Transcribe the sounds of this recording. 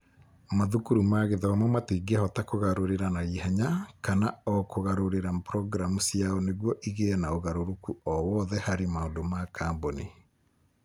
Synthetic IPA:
maðukuɾumaɣeðɔamɔmateːɡɛhɔtakoɣaɾoɾeɾanaihɛɲakanaɔkoɣaɾoɾeɾapɾɔɡɾamusiaɔneɣwɔʔiɣeɛnaoɣaɾoɾokuɔwɔðɛhaɾemaondomakʰaːmbone

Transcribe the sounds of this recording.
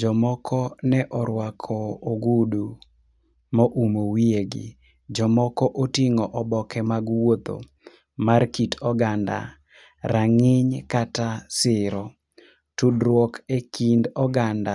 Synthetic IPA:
d͡ʒɔmɔkʰɔnɛʔɔɾwakʰɔːɡudu | moʔumowieɡɪ̰ | d͡ʒɔmɔkɔʔotiŋɔʔɔbɔkɛmaɡwot̪o̰ | markitɔɡanda̰ | ɾaŋɪɲkatasɪɾɔ | tudɾwɔkekindɔɡanda

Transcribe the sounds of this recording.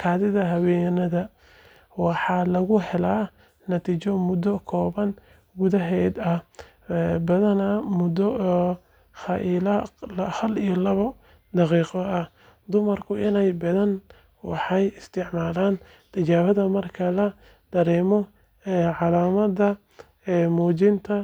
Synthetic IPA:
kʰɑːðɪðɐɦɐwɛːjnɐðɐ | wɑħɑlɐɣʊhɛlaː | nɐt̪ʰiːt͡ʃɔmʊd̪ɔkʰɔːβɐn | ɡʊðɐɦɛːd̪ɐh | bɐðɐnɐmʊd̪ɔ | xɑʔiːlɐhɐlijɔlɐβɐ | d̪ɑqiːqɔɐh | d̪ʊmɐrkʰʊʔɪnɛjbɐðɐn | wɑ̰ħɑjɪst̪ʰɪʕmaːlaːn | t̪ʰɐt͡ʃaːβɐðɐmɐrkʰɐlɐ | d̪̥ɐɾɛːmɔ | ɛːʕɑlaːmɐdɐ | ɛːmɔːt͡ʃɪnt̪ʰɐ

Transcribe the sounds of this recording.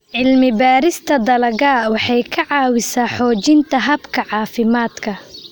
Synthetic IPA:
ʕɪlmɪbaːɾɪst̪ʰɐd̪ɐlɐɣaːwɑħɑjkʰɐʕɑːwɪsaːħɔːt͡ʃɪnt̪ʰɐɦɐbkʰɐʕɑːfɪmaːd̪kʰɐ

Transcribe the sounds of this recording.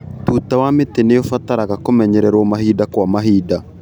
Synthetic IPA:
tutawameteneofataɾaɣakomɛɲɛɾɛɾwɔmaɦidakwamaɦiːda

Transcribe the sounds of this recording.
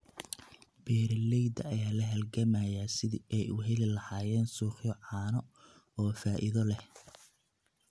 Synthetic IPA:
bɛːɾɐlɛjd̪ɐɐjaːlɐɦɛlɡɐmajaːsɪðiʔɛjʊɦɛlɪlɐhaːjɛːnsuːχjɔʕɑːnɔ | ɔːfaːʔɪðɔlɛh

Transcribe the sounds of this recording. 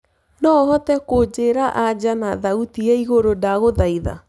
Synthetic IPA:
nɔhɔtɛkod͡ʑeːɾaʔad͡ʑanaðautiɛiɣoɾodaɣoðaiða̰

